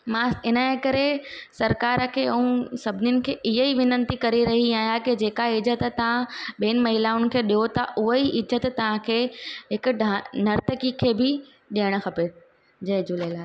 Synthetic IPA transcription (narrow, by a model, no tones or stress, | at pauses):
mãɪnəekɐɾesɐɾkaːɾəkʰeːɐũsɐbʱɪnɪjʊnɪ̆kʰeːʔɪɦeiʋɪnə̃nt̪ikɐɾiɾɐɦiaːɦijakid͡ʑeːkaɪzət̪t̪ɐʋ̤ãɓeːnɪ̆mɐɦɪlaːʊn̆kʰeːɗijot̪ɐʔʊɦoiʔɪzət̪t̪ɐʋ̤ãkʰeːɦɪkʊ̆ɖnɐɾt̪əkikʰeːbɪ | ɗeːəɽ̃̆xɐpe | d͡ʑɐd͡ʑʊlelaːɦ